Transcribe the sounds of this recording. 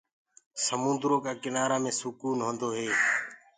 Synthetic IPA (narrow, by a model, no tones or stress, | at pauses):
səmʊ̃nd̪ɾoːkaːkɪnaːɾaːmẽːsʊkuːnɦõːnd̪oːɦeː